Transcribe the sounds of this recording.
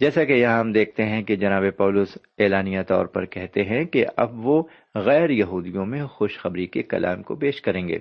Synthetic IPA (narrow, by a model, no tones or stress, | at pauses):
d͡ʒɛːsakejɐɦãɦɐmd̪eːk̚ʰt̪eɦɛ̃ked͡ʒɐnaːbepaːlʊs | eːlaːnijat̪ɔ̰ːɾpɐ̰ɾkɛɦt̪eɦɛ̃keɐ̰bʋo | ɣɛːɾjɐɦuːd̪ijõmẽxʊʃxɐbɾikekɐ̰lʔa̰ːmko̰peːʃkɐɾẽːŋɡḛː